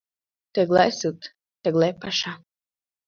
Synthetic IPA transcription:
t̪ɛɡlˠajsut̪ | t̪ɛɡlˠɛjpaʃa

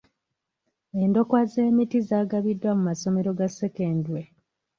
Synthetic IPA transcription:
e̞ndo̞kwaze̞ːmitizaːɡaβidːwamumaso̞me̞ɾo̞ɡase̞keːndwe

